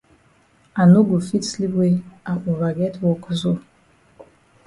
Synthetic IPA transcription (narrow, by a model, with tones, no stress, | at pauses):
a˨nu˦ɡu˨fi˦tsli˦bwe˦a˨ʔu˨va˨ɡɛ˦twɔ˨kzo˦